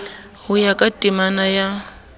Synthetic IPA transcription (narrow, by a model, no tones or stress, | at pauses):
hʊjakʼatʼimanaja